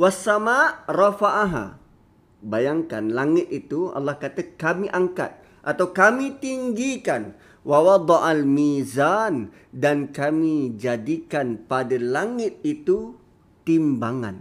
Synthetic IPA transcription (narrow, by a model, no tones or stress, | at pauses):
wasːamaʔrɑfaʔɦa̰ | bajaŋkanlaŋɪt̪̚it̪uɑ̰lːahkat̪akamiʔaŋka̰t̪̚ | ʔat̪awkamit̪iŋɡikan | wawɑd̪ɑʔalmizan | dankamid͡ʒadikanpadalaŋɪt̪̚it̪u | t̪imbaŋa̰n